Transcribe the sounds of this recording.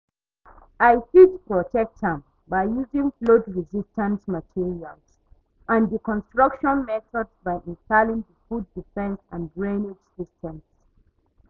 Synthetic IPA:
ajfitpɹɔtɛk̚tə̃m | bajjuzĩŋflodɹizistə̃nsmatʰiɹialz̥ | ʔãndikɔ̃nstɹʌkʃɔ̃nmɛθɔdzbaɪʔĩnstalĩŋðəfudːifɛ̃nsãnbɹẽned͡ʒsistʰɛ̃ms

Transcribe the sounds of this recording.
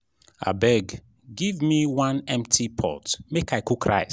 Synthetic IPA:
a̰bɛɡ | ɡivmiwãnɛ̃mtʰipʰɔ̰tmekaɪkukʰɹa̰ɪ

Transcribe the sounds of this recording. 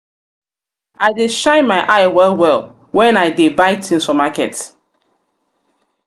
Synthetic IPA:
aɪdeʃãɪ̃nmaɪʔaɪwɛlwɛlˠ | wɛ̃naɪdebaɪtʰĩnsɔmakɛ̰t

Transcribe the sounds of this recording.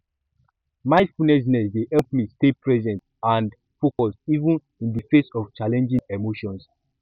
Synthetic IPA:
maɪfunɛʃ̬nɛsdehɛlp̚mistepɹɛzɛ̃nt | ãnd | fokɔsivũn | ĩndifesɔft͡ʃalɛ̃nd͡ʒĩŋemoʃɔ̃ns

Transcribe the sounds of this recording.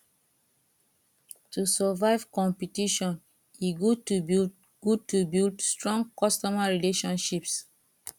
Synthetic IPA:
tusɛvaɪv̥kɔ̃mpitiʃɔ̃n | iɡutu | ɡ̥ud̚tubildstɹɔ̃ŋɡkɔstɔmaɹileʃɔ̃nʃips

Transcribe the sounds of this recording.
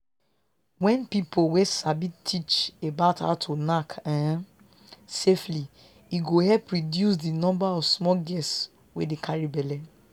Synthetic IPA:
wɛ̃npipʰowesabitʰit͡ʃebaʊtha̰tʰonakã | sefli | iɡohɛpɹidjus̬dinɔ̃mbaɔfsmɔɡɛs | wedekʰaɹibɛlɛ

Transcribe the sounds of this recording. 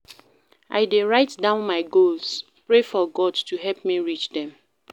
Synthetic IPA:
ʔa̰ɪdeɹaɪtdãʊ̃nmaɪɡols | pɹefɔɡɔdtuɦɛlpmiɹit͡ʃdɛ̃m

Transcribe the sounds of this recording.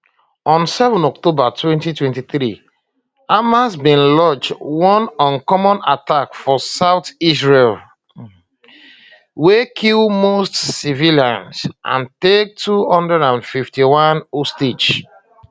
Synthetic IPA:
ɔ̃nsɛvɔ̃nɔk̚tobatwɛ̃ntitwɛ̃ntiθɾi | amasbĩnlɔd͡ʒwɔ̃nɔ̃nkɔmɔ̃natakfɔsaʊtisɹel | wekʰilmostsiviliã̰nsʔã̰ntek̚tʰuɔ̃ndəɹãʊ̃ndfiftiwɔ̃nostid͡ʒ

